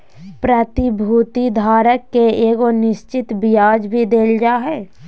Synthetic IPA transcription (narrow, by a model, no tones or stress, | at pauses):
pɾət̪ɪbʱuːt̪id̪ʱaːɾəkːeeːɡonɪʃt͡ʃɪt̪bɪjaːd͡ʒbʱid̪eːld͡ʒaːɦɛː